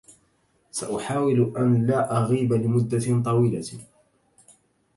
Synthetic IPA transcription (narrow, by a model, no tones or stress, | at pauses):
saʔʊħaːwɪlʔanlaːʔaɣiːbalɪmʊd̪ːat̪ˤɑwiːla